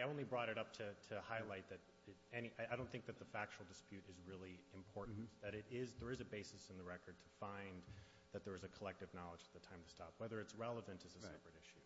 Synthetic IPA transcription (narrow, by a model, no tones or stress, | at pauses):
aɪõʊ̃nlibɹɔɾɨɾʌp̚tʰɨtʰɨhaɪlaɪt̪̚ðɨɾ | ɪɾɛñiʔaɪaɪɾõʊ̃nθɪ̃ŋk̚ðɨt̪̚ðɨfæk̚t͡ʃul̩ˠdɨspjʉɾɨzɹɪlˠiɨ̃mpʰɔɹʔn̩ðɨɾɪɾɪzðə˞ɨzɨbeɪsɨsɨ̃nðɨɹɛkə˞d̚tʰə̥fãɪ̃n | ðɨt̪̚ðə˞ɨzɨkʰəlɛk̚tɨvnɑlˠəd͡ʒət̪̚ðɨtʰãɪ̃mtʰɨ̥stɑ̰pwɛðə˞ɨtsɹɛlˠəvɨ̃ntɨzɨsɛpɹɨɾɪʃʉ